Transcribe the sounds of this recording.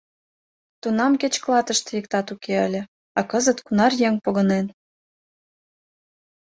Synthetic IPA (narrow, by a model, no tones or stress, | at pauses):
t̪unɑmket͡ɕklɑt̪əʃt̪jek̚t̪ɑt̪ukeə̰lʲĕ | ɑkɤzət̪kunɑrjeŋpoɣə̆nen